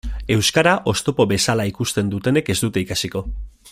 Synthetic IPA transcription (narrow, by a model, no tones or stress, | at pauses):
e̞wskaɾaʔo̞st̪o̞po̞βe̞salaikust̪e̞nd̪ut̪e̞ne̞ke̞zd̪ut̪e̞ikasiko̞